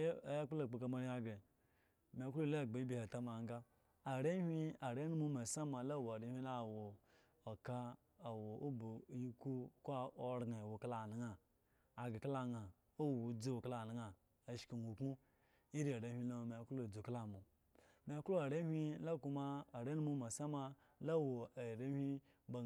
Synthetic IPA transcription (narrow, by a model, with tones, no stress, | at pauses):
ja˦k͡plo˨k͡po˨ka˨ma˨ɾi˦a˦ɡɾe˨ | m˨e˨˦klo˦˨le˦˨ɡ͡be˨i˦bi˨he˨ta˦ma˨ŋ˦ɡa˦ | a˨ɾe˦hʷi˦a˨ɾe˦nu˦u˦me˨sa˦ma˨la˦˨wa˨ɾe˦hʲʷi˦la˦˨wo˨ | o˨ka˦ | a˨wo˨o˦bo˨i˦ku˦ko˦ɾɡa˨wu˨kla˨na˨˦ŋa˨ | a˨ɡa˨kla˨ŋa˨ | o˦wwu˨d͡zu˦wkla˦˨na˨ŋa˨ | a˨ʃki˨nu˨kmu˦ | i˦ɾi˦a˨ɾe˨˦hʲʷi˦lo˦˨me˨˦klo˦˨d͡zu˨kla˦˨mo˨ | me˨˦klo˦a˨ɾe˦hʲʷi˦la˦ku˦ma˦a˨ɾe˦u˦mu˦ma˨sa˦ma˦ | la˦˨wo˨a˨ɾe˦hʲʷi˦ | ba˨